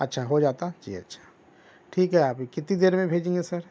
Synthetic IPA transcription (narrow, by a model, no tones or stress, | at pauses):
ɐtːʃʰaɦod͡ʒaːt̪ad͡ʒḭɐ̰tːʃʰḁ | ʈʰiːkɦɛaːpkɪt̪ĩd̪eːɾmẽbʱeːd͡ʒẽːŋɡesɐɾ